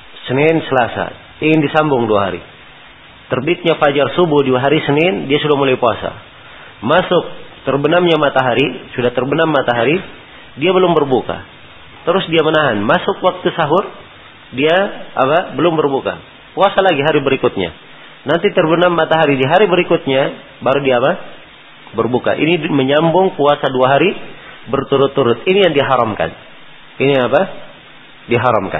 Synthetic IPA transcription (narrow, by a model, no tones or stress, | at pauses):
sənɛnsəlasa̰ | iŋɪndisambʊŋduaɦa̰ɾḭ | t̪ərbit̪̚ɲafad͡ʒarsubuhduaɦaɾisənɛndiasudahmulajpua̰sa̰ | masʊk̚t̪ərbənamɲamat̪aɦaɾisudaht̪ərbənamːat̪aɦaɾi | diabəlʊmbərbuka̰ | t̪əɾʊsdiamənaɦanmasʊkwak̚t̪usaɦʊr | dia̰ːpabəlʊmbərbuka̰ | puasalaɡiɦaɾibəɾikʊt̪̚ɲa̰ | nant̪it̪ərbənarmat̪aɦaɾidiɦaɾibəɾikʊt̪̚ɲa | baɾudiaːpa | bərbuka̰ʔḭniməɲambʊŋpuasaduaɦaɾibərt̪uɾʊt̪ːuɾʊt̪̚inijaŋdiaɦaɾamka̰n | iniaŋapa | diaɦaɾa̰mka̰n